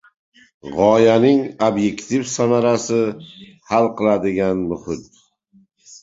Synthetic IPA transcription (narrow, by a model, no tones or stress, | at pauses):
ʁɒjanɪŋobje̞kt̪ʰivsamaɾasɪ | halˠqʰɨlˠad̪ɪɡʲanmʊhɪt̪̚